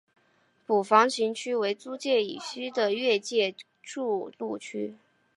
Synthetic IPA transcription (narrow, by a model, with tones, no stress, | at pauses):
pu˨˩fɑ˧˥ŋt͡ɕʰi˧˥ŋt͡ɕʰy˥we˧˥ɪt͡su˥t͡ɕjɛ˥˩ḭ˨˩ɕy˥d̪ə˨ɥɛ˥˧t͡ɕjɛ˥˧ | ʈ͡ʂu˥˧lu˥˩t͡ɕʰy˥